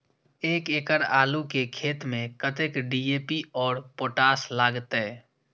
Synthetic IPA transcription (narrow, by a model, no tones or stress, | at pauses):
eːkeːkəɾaːlukekʰeːt̪mẽkət̪ekɖiːeːpiɔːɾpoːʈaːslaːɡt̪ɛː